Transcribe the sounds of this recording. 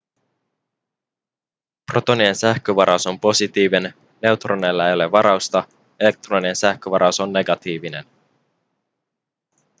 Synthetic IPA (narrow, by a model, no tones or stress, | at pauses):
pro̞t̪o̞nie̞nsæhk̟øʋɑɾɑuso̞mpo̞sit̪iːʋen | ne̞wt̪rone̞lːæe̞jole̞ʋɑɾɑwst̪ɑ | e̞le̞k̚t̪ronie̞nsæhkøʋɑɾɑuso̞nːe̞ɡɑt̪iːʋine̞̰n